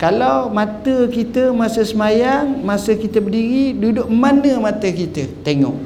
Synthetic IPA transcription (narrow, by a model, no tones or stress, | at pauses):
kalawmãt̪əkit̪əmasəsəmajaŋmasəkit̪əbədiɾidudʊk̚manəmãt̪əkit̪ət̪eŋɔ̰ʔ